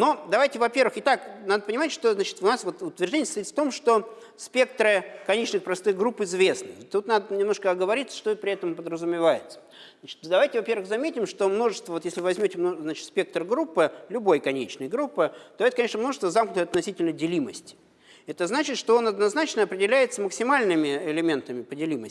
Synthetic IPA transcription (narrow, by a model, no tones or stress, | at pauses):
nod̪ɐvajtʲɪvɐpʲe̞rvɨxɪt̪aknad̪əpənʲɪmatʲʂt̪o̞znat͡ɕɪ̥t̪ʊnasvo̞t̪ʊt̪vʲɪrʐdʲenʲjəst̪ɐit̪ft̪o̞mʂt̪o̞ | spʲe̞k̚t̪ɾɨkɐnʲet͡ɕnɨxpɾɐst̪ɨxɡɾupɪzvʲe̞snɨt̪ːut̪nad̪ənʲɪmno̞ʂkəɐɡəvɐɾʲit̪sə̥ʂt̪opɾʲɪɛt̪əmpəd̪ɾəzʊmʲɪvajɪt̪sə̥ | nat͡ɕɪ̥t̪d̪ɐvajtʲɪvɐpʲe̞rvɨxzɐmʲetʲɪmʂt̪o̞mno̞ʐɨst̪vəvot̪jesʲlʲɪvɨvɐzʲmʲotʲɪmnoznat͡ɕɪ̥t̪sʲpʲe̞k̚t̪rɡɾupːɨlʲʊbo̞jkɐnʲet͡ɕnəjɡɾupːɨt̪oɛt̪əkɐnʲeʂnəmno̞ʐəst̪vəzamknʲʊt̪əjɐt̪nɐsʲitʲɪlʲnədʲɪlʲiməsʲtʲɪ | ɛt̪əznat͡ɕɪt̪ʂt̪oonɐd̪nɐznat͡ɕnəɐpɾʲɪdʲɪlʲæjɪt̪səməksʲɪmalʲnɨmʲɪɪlʲɪmʲe̞nt̪əmʲɪpədʲɪlʲiməsʲ